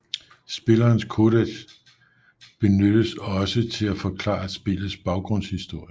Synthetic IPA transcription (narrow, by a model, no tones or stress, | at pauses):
sb̥e̝lɐːnskʰo̝d̥eɡ̥s | b̥e̝nød̥əsɒ̽sət͡sʰe̝læfɒ̽kʰlɑ̰̈ːæ̥sb̥ḛːlð̩ˠsb̥ɑ̈ʊɡ̥ʁɔ̽n̰shisd̥o̝ɐ̰jə